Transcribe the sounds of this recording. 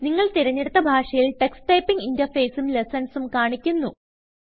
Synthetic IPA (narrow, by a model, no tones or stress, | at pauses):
niŋːɐɭt̪iɾɐɲːeɽut̪ːɐbʱaːʂɐjilʈeksʈɐjpːiŋɡindɐfeːsumlesɐnsumkaːɳikʲːunːu